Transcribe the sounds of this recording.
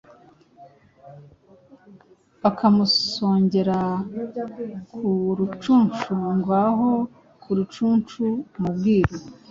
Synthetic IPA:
βakʰamusoːɲɟe̞ɾa | kʰuɾut͡ʃuːnt͡ʃuŋɡwaɦo̞ | kʰuɾut͡ʃuːnt͡ʃumubɡiːɾo

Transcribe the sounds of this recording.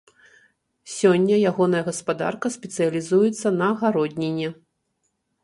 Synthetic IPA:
sʲɔnʲːɐjaɣɔn̪ɐjɐɣɐspad̪a̰rkɐsʲpʲɛt̪sɨjɐlʲizujɛt̪sːɐnɐɣaɾɔdʲnʲenʲːɛ

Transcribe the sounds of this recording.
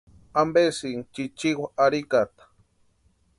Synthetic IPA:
ambesint͡ʃit͡ʃiwaaɾikat̪ḁ

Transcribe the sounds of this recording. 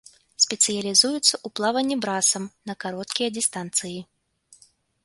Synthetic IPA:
sʲpʲɛt̪sɨjɐlʲizujut̪sːɐʔuplˠavɐnʲːibɾasɐmnɐkaɾɔt̪kʲijɐdʲist̪ant̪sɨji

